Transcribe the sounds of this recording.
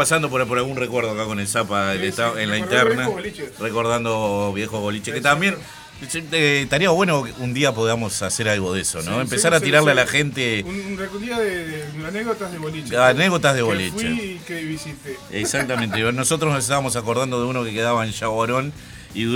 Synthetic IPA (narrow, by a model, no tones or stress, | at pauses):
pasand̪o̞p̬oɾpoɾalɣunrekweɾð̞oakako̞nelsapaelet̪aenlaint̪eɾnalt͡ʃreko̞ɾðand̪oβje̞xoɣo̞lit͡ʃeket̪ambjen | set̪aɾiaβwe̞nokund̪iap̬oðiamo̞saseɾalɣo̞ðeso̞noempesaɾat̪iɾaɾlealaxent̪eeund̪iaðeaneɣðot̪azðeβolit͡ʃaneɣðo̞t̪aɦðeβolit͡ʃḛkeiβisit̪eeksak̚t̪ament̪enosot̪ɾosnoset̪aβamosakoɾðand̪o̞ðeunokeke̞ðaβaenʃaβoɾo̞n | iðu